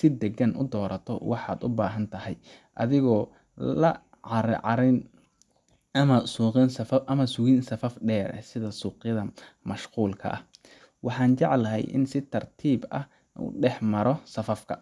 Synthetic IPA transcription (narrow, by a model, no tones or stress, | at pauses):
sɪd̪ɛɡɐnʔʊ̰d̪ɔːɾɐt̪ʰɔ̰wɑħɑːd̪ʊbaːɦɐnt̪ʰɐhɛjʔɐðɪɣɔː | lɐ | ʕɑɾʕɑɾɪn | ɐmɐsuːqɪnsɐfɐʔɐmɐsʊɣinsɐfɐfɖɛːɾɛ̰sɪðɐsuːqjɐðɐmɐʃquːlkʰɐ̰ʔɐh | wɑħɑːnt͡ʃɑʕlɐɦɛ̰jʔɪ̰nsɪt̪ʰɐrt̪ʰiːbɐ̰h | ʔṵːɖɛħmɐɾɔsɐfɐfkʰɐ